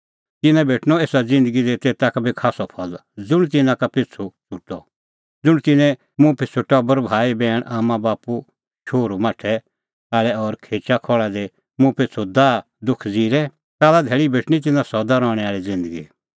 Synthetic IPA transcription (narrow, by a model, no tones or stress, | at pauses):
t̪ɪnɛ̃bʱeːʈʰñɔeːsad͡zɪ̃nd̪əɡid̪eːt̪eːt̪akbikʰaːsɔpʰɔld͡zʊɽ̃t̪̬ɪnãkapɪt͡sʰut͡sʊʈːɔ | d͡zʊɽ̃t̪ɪnɛ̃ | mʊ̃pɪt͡sʰʊʈɔbɐɾbʱaːibɛːɽ̃ʔaːmãbaːpu | t͡ʃʰoːɾumaːʈʰɛ | aːlɛɔɾkʰeːt͡ʃakʰɔɭad̪e | mũpɪt͡sʰud̪aː | d̪ʊkʰd͡ziːɾɛ | kaːlad̪ʱɛːɭibʱeːʈʰñit̪̬ɪnãsɔd̪aɾɔːɽ̃ɛaːɭid͡zɪ̃nd̪əɡi